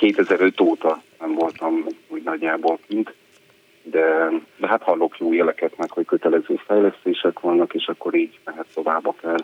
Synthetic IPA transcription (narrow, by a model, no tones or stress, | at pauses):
keːt̪ɛzɛɾø̞t̪oːt̪ɒnɛɱvo̞lt̪ɒmhoɟnɒɟːaːbo̞lkint̪ | d̪ɛd̪ɛɦat̪hɒlːo̞kjoːjɛlɛkɛt̪nɛkho̞ckø̞t̪ɛlɛzøːfɛjlɛst̪eːʃɛkʋɒnːɒkeːʃɒkːo̞ɾiːɟlɛɦɛt̪ːo̞vaːbːɒkɛl